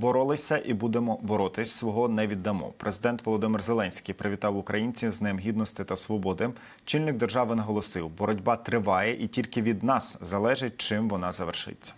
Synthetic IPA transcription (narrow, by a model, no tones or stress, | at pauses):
bɔɾɔlˠɪsʲɐʔibud̪emɔbɔɾɔt̪ɪsʲsʋɔɦɔnɛʋʲid̪ːɐmɔ̰pɾʔezɪd̪ɛnt̪ʋɔlˠɔd̪ɪmɪrzelˠɛnʲsʲkʲijpɾeʋʲit̪ɑwʊkɾɐjinʲt͡sʲiwznɪmɦʲid̪nɔst̪ɪt̪ɐsʋɔbɔd̪ɪ | t͡ʃɪlʲnɪɡ̚d̪erʒɑʋɪnɐɦɔlˠɔsɪwbɔɾɔdʲbɑt̪ɾɪʋɑjɛʔitʲilʲkɪʋʲid̪nɑszɐlˠɛʒɪt̚ʲt͡ʃɪmʋɔnɑzɐʋerʃɪ̰t͡sʲːɐ̥